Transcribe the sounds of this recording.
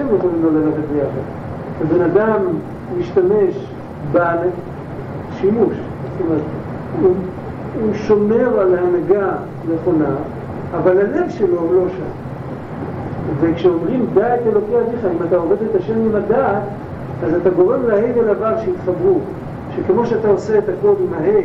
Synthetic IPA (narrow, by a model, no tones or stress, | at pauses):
emjeχolimlolalaχetbejaχa̰d̪ | abe̞nad̪amː | iʃt̪ame̞ʃ | bale | ʃimuʃzt̪omeʁet̪ | u | uʃo̞me̞ʁalhanaɡa | ne̞χo̞naː | valhale̞vʃe̞lo̞ulo̞ʃan | vekʃeomʁimd̪atelo̞keateχaimat̪ao̞ve̞de̞t̪aʃe̞mimadaːt̪ | azat̪aɡo̞ʁe̞mlahejvelavavʃeit̪χabʁu | ʃekemo̞ʃeat̪ao̞se̞ːt̪ako̞limaɦe